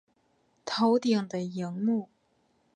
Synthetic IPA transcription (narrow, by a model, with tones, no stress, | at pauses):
t̪ʰo˧˥ʊt̪i˨˩ŋd̪ə˨ji˧˥ŋmu˥˩